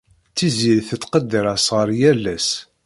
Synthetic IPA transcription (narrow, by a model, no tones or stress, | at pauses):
t͡sːiziɾθət̪ːqəd̪ːəɾæsʁəɾˤjælːæs